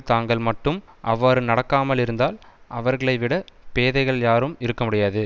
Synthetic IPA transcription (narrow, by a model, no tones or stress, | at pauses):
t̪aːŋɡɐɭmɐʈːɯm | ʔɐʋːaːɾɯnɐɽɐkːaːmɐlɪɾɯnd̪aːlʔɐʋɐɾɣɐɭɐɪʋɪɽɐpeːðɐɪɣɐɭjaːɾɯmɪɾɯkːɐmʊɽɪjaːðɯ